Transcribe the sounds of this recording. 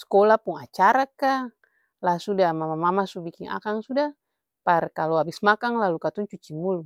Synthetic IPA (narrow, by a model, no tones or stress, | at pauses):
skɔlapuŋat͡ʃaɾaka | lasudamamamamasubikiŋa̰kaŋsuda | parkalɔabismakaŋlalukat̪uŋt͡ʃut͡ʃimulu